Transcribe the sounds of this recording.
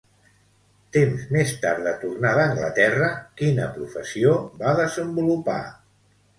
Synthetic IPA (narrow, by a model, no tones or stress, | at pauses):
t̪emzmest̪aɾðət̪urnaðəːŋɡlə̰t̪ɛrəkinəpɾufəsiobaðəzəmbulupa̰